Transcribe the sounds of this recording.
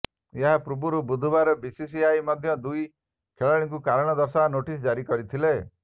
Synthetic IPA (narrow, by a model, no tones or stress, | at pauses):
eɦapɾubuɾubud̪ʱubaɾɔbisis̬iajmɔd̪ʱjɔd̪uj | kʰeɭaɭ̃iŋkukaɾɔɽ̃ɔd̪ɔɾsanoʈisd͡ʒaɾikɔɾit̪ʰile